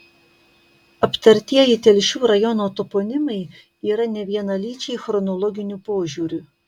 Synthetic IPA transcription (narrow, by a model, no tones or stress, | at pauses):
ɐpʲt̪ɐɾʲt̪ʲiɛjɪt̪ʲɛlʲʃʲuːɾɐjɔnoːt̪opoːnʲɪmɐɪ | iːɾɐnʲɛʋʲiɛnɐlʲiːt͡ʃʲɛɪxɾɔnɔlˠɔɡʲɪnʲuːpoːʒʲuːɾʲuː